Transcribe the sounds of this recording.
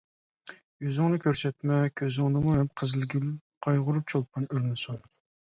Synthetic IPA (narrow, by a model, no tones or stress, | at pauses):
jyzɪŋnɨkʲʰøɾsɛt̪mɛkʲʰøzɪŋnɨmuhɛmqʰəzɨlɡʲylqʰɑjʁʊɾup̚t͡ʃʰolˠpʰɑnøɾnɪsun